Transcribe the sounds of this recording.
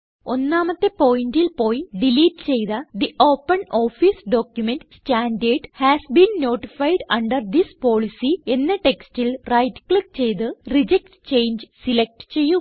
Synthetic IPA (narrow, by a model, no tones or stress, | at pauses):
o̞nːaːmɐt̪ːepo̞ːjndilpo̞ːjɖiliːʈɨt͡ɕe̞jðɐd̪iʔo̞ːpːɐnoːfisɖoːkjumenʈsʈaːnɖeːɖhæːsbiːnno̞ːʈifɐjɖɐɳɖɐrd̪ispo̞ːɭisie̞nːeʈe̞kstilrɐjʈklik̚t͡ɕe̞jt̪ɨrid͡ʑek̚ʈt͡ɕe̞jnd͡ʑsilek̚ʈt͡ɕe̞jːu